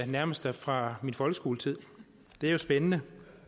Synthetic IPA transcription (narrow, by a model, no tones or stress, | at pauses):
næɐməsd̥əfʁɑ̈minfɒ̽lɡ̥əsɡ̥o̝ːlət͡sʰið̰ˠ | d̥e̝æɐjo̝sb̥enənə